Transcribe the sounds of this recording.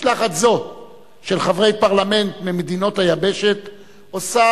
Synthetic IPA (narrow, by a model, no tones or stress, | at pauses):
laχat̪zo̞ | ʃe̞lχavʁe̞jpaʁlame̞ntmimed̪ino̞thajabe̞ʃe̞t | osa